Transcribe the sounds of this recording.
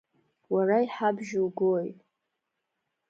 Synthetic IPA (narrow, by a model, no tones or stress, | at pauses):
waraiħabʒuɡojtʼ